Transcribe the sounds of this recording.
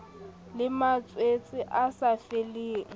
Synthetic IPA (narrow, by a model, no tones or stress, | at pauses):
lɪmat͡sʼwet͡sʼɪʔasafeliːŋ̩